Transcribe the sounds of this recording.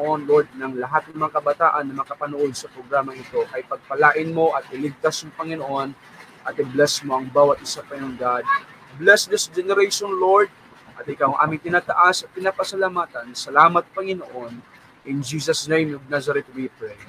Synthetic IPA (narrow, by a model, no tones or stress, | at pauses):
ʔonloɹd̪̚nɐŋlɐɦat̪̚nɐŋmɐŋakɐbɐt̪aːʔɐnːɐmɐakɐpɐnoʔo̞d̪̚sɐpɾoɡɾaːmɐŋɪt̪o̞ʔɐjpɐɡ̚pɐlaːʔɪnmo̞ʔɐt̪̚ɪlɪɡ̚t̪asjʊŋpɐŋɪnoʔo̞n | ʔɐt̪ɪblɛsmo̞ʔɐŋbaːwɐt̪ʔɪsapɐjʊŋɡad̪̚ | blɛsd̪ɪsd͡ʒɛnɛɾɛjʃonloɹd̪̚ | ʔɐt̪ɪkawɐŋʔa̰ːmɪŋt̪ɪnaːt̪ɐʔasɐt̚k̪ːɪnaːpɐsɐlamaːt̪ɐnsɐlaːmɐt̪̚pɐŋɪnoʔo̞n | ʔɪnd͡ʒiːsɐsnejmnoɡ̚nazɐɾɛt̪̚wipɾej